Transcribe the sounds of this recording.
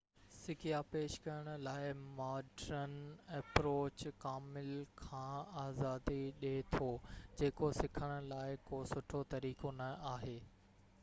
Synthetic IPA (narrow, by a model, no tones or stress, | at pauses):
sɪkijapeːʃkɐjəɽ̃ʊ̆laːɪmaːɖɾənɛpɾoːt͡ɕkaːmɪlkʰãːaːzaːd̪iɗet̪ʰoːd͡ʑeːkosɪkʰəɽ̃ʊ̆laːɪkoːsʊʈʰot̪ɐɾiːkonɐaːɦeː